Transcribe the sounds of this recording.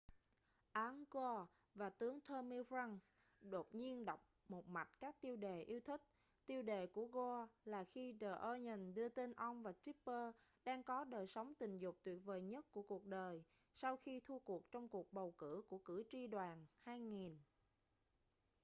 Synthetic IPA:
ʔaː˨˦nɣɔ˧ | vaː˨˩t̪ɨ˨˦əŋt̪ʰəː˧mi˧fa˧ŋs | ɗo˨˩t̚ɲi˧ənɗə˨˩wk͡p̚mo˨˩t̚ma˨˩t̚kaː˦˥k̚t̪i˧əwɗe˨˩ʔi˨˧əwt̪ʰï˦˥k̚ | t̪i˧əwɗe˨˩ku˧˩əɣo˧laː˨˩xi˧t͡ɕəː˨˩ʔəː˧ɲə˨˩ŋ̟ɗɨ˧ət̪e˧nʔə˧wŋ͡mvaː˨˩ti˦˥ppəː˧ | ɗaː˧ŋkɔ˨˦ɗəː˨˩jsə˨˦wŋ͡mt̪ï˨˩ŋ̟zʊ˨˩k͡p̚t̪wi˨˩ət̚ve˨˩jɲə˦˥t̚ku˧˩əku˨˩ək̚ɗəː˨˩j | sa˧wxi˧t̪ʰu˧ku˨˩ək̚t͡ɕɔ˧wŋ͡mku˨˩ək̚ɓə˨˩wkɨ̰˧˩˥ku˧˩əkɨ̰˧˩t͡ɕi˧ɗwaː˨˩nhaː˧jŋi˨˩n

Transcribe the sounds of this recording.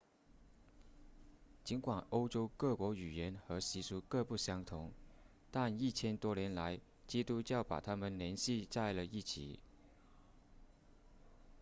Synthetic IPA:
t͡ɕi˧˥nkwa˨˩no˥ʊʈ͡ʂo˥ʊkɤ˥˩kwɔ˧˥y˨˩jɛ˧˥nxɤ˧˥ɕi˧˥su˧˥kɤ˥˧pu˥˩ɕjɑ˥ŋt̪ʰʊ˧˥ŋ | t̪a˥˧ni˥˩t͡ɕʰjɛ˥nt̪wɔ˥ljɛ˧˥nla˧˥ɪ | t͡ɕi˥t̪u˥t͡ɕjɑ˥˩ʊpa̰˨˩t̪ʰa˥mə˨nljɛ˧˥nɕi˥˧t͡sa˥˩ɪlə˨i˥˩t͡ɕʰḭ˨˩˦

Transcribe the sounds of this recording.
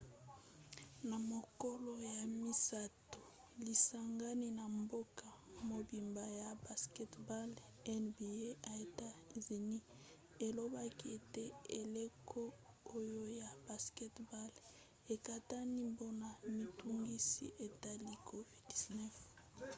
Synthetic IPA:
na˨mo˨ko˦lo˦ja˨mi˦sa˦to˨ | li˨sa˨ŋɡa˦ni˦na˨mbo˦ka˨mo˨bi˨mba˨ja˨ba˨skɛ˦tba˦l | ɛ˦nbi˨e˦a˨e˨ta˦zi˨ni˦ | e˨lo˦ba˦ki˦e˨te˦e˨le˦kʰo˦ | o˦jo˦ja˨ba˨skɛ˦tba˦l | e˨ka˨ta˦ni˦mbo˦na˨mi˨tu˦ŋɡi˦sḭ˦ʔe˨ta˦li˦kʰo˦vi˦ddi˨znɛ˦f

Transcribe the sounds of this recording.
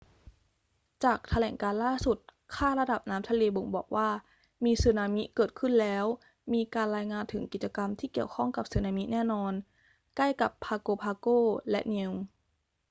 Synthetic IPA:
t͡ɕaː˨˩k̚t̪ʰa˧lɛː˩˦ŋkaː˧nlaː˥˩su˨˩t̪̚ | kʰaː˥˩ɾa˧da˨˩p̚naː˦˥mt͡ɕʰa˧li˧bo˨˩˦ŋbɔ̰ː˨˩k̚waː˥˩ | miː˧sɯː˧naː˧mi˦˥kɤː˨˩t̪̚kʰɯ˥˩nlɛː˦˥w | miː˧kaː˧nɾaː˧jŋaː˧nt̪ʰɯ˩˦ŋki˨˩t͡ɕa˧ka˧mt̪ʰiː˥˩ki˨˩əwkʰɔ˥˩ŋka˨˩p̚sɯː˧naː˧mi˦˥nɛː˥˩nɔː˧n | kla˥˩jka˨˩pʰːaː˧koː˧pʰaː˧koː˥˩lɛ˦˥ʔni˧w

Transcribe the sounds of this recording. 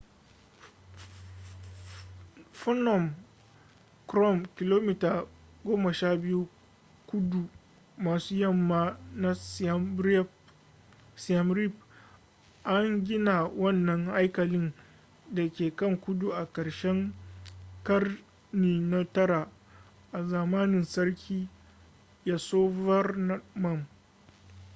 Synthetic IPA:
fɔ˦nɔ˨m | kɾɔ˦˨mkʲɪ˨loː˦mi˦taː˨ɡoː˦mɐ˨ʃaː˦bɪ˦ju˦ | kʊ˦du˨ | maː˨suː˦jɐ˦˨mːaː˦na˦ | si˨a˨mɾi˦p̚ | ʔa˦ŋɡʲɪ˦na˨wɐ˦˨nːɐ˦ŋʔa˦jkɐ˨lɪ˦n | da˨kʲeː˨kɐ˦˨ŋkʷʊ˦du˨ʔa˨kɐ˨ɽʃɛ˦ŋ | kɐ˦r | niː˨na˦tɐ˦ɾa˨ | ʔa˨zaː˨maː˦nɪ˨nsɐ˦rkʲʰiː˦ | ja˦soː˦vɐ˦rn˦mɐ˦m

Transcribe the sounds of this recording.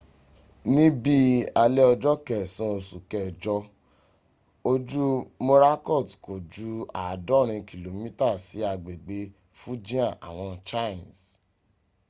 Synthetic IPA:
nĩ˦bi˦a˧lɛ˦ɔ˧d͡ʒɔ˦kɛ˨sɔ̃˦o˧˨su˨kɛ˨d͡ʒɔ˧ | o˧d͡ʒu˦mo˦ɾa˦kɔ˦˨tko˨d͡ʒu˨˦a˨dɔ˦˨ɾ̃ĩ˧ki˨lo˨mĩ˦ta˦˨si˨˦a˧ɡ͡be˨ɡ͡be˧ | fu˦d͡ʒĩ˦ã˦˨ʔa̰˨w̃ɔ̃˧t͡ʃa˦˨ns

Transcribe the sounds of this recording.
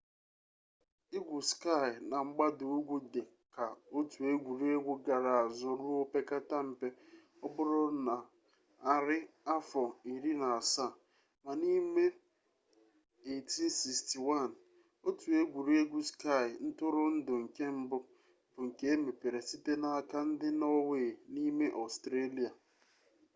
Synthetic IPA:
i˦ɡʷu˨ska˦˨ɪ˨na˨ŋ͡m̩˦ɡ͡ba˦dʊ˨u˦ɡʷu˦de˨ | ka˨o˦tu˨e˦ɡʷu˨ɾu˦e˦ɡʷu˦ɡa˨ɾa˨a˨zʊ˦ɾu˦o˦pe˦ka˦ta˦m̩˨pe˦ | ɔ˦bʊ˦ɾʊ˦na˨ | a˦ɾɪ˦a˦fɔ˨i˨ɾi˦na˨a˨sa˦˨ | ma˨ni˦me˦ | e˨ti˦si˨sti˨wa˦˨n̩˨ | o˦tu˨e˦ɡʷu˨ɾu˦e˦ɡʷu˦ska˦˨ɪ˨n̩˦tʊ˦ɾʊ˦n̩˦dʊ˨ŋ̩˨ke˦m̩˦bʊ˦ | b̥ʊ˨ŋ̩˨ke˦e˦me˨pe˨ɾe˨si˦te˦na˦a˦ka˦n̩˦dɪ˦nɔ˦we˨ni˦me˦ʔɔ˨stɾe˦li˨a˨

